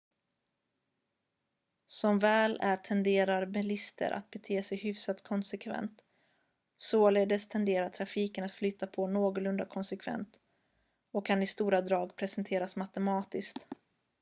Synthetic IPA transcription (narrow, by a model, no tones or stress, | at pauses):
sɔmvɛːlæʈʰɛnd̪eːɾaɾbɛlɪst̪ʰə̰ɾʔa̰t̪̚bɛt̪ʰeːsɛjhʏfsat̪kʰɔnsɛkʰvɛ̰nt̪ | soleːd̪əst̪ʰɛnd̪eːɾaʈʰɾafiːkənat̪flʏt̪ːapʰɔnoːɡʊlɵnd̪akʰɔnsɛkʰvɛ̰nt̪ | ɔkʰːanɪst̪uːɾad̪ɾɑːɡpʰɾɛsɛnt̪ʰeːɾasmat̪ɛmɑːt̪ɪskt̪